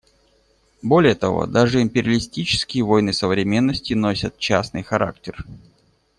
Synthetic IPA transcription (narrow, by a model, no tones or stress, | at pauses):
bo̞lʲɪjət̪ɐvo̰d̪aʐɨɪmʲpʲɪɾʲəlʲɪsʲtʲit͡ɕɪ̥skʲɪjəvo̞jnɨsəvɾʲɪmʲe̞nːəsʲtʲɪnosʲət̪̚t͡ɕasnɨjxɐɾa̰k̚tʲɪr